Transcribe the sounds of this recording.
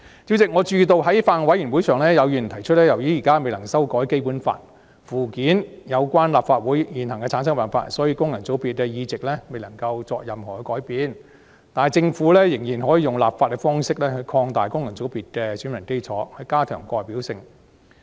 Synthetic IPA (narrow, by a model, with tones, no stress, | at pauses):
t͡si˨˥wt͡sɪ˨k̚ŋɔː˨˧t͡ʃyː˧t̪o˨˧wɦɐ˨˥jfaː˧n˧wɐ˨˥jyː˨˩nwu˨˥jsʰœː˨˩ŋlɛː˥jɐ˨˧wjy˨˩n˨t̪ʰɐ˨˩jt͡ʃʰɵ˥t̚lɛ˥jɐ˨˩wjiː˨˥jiː˨kaː˥me˨jlɐ˨˩ŋsɐ˥wkɔː˨˥jke˥jpuː˨˥nfa̰ː˧t̚ | fuː˨˩kiː˨˥njɐ˨˧wkʷwaː˥nlaː˨pfaː˧t̚wuː˨˥jjiː˨˩nhɐ˨˩ŋkɛ˧t͡sʰaː˨˥ns̬ɐ˥ŋpaː˨nfa̰ː˧˥t̚sɔː˨˥jiː˧kʊ˥ŋjɐ˨˩ŋt͡so˨˥wpiː˨˧t̚kɛ˧jiː˧t͡sɪ˨k̚lɛː˥me˨jlɐ˨˩ŋkɐ˧wt͡sɔː˧k̚jɐ˨mɦɔː˨˩kɛ˧˥kɔː˨˥jpiː˨˧n | t̪aː˨jt͡sɪ˧ŋfuː˨˥lɛː˥jɪ˨˩ŋjiː˨˩nɦɔː˨˥jiː˨˧jʊ˨ŋla̰ː˨p̚faː˧kɛ˧fɔː˥ŋsɪ˥k̚lɛː˥hɵ˨˧ɥkʰɔː˧ŋt̪aː˨jkʊ˥ŋjɐ˨˩nt͡so˨˥wpiː˨t̚kɛ˧syː˨˥nmɐ˨˩nke˥jt͡sʰɔː˨˥hɵ˨˧kaː˥t̪ʰœː˨˩ŋkɔː˧jpiː˨˥wsɪ˧ŋ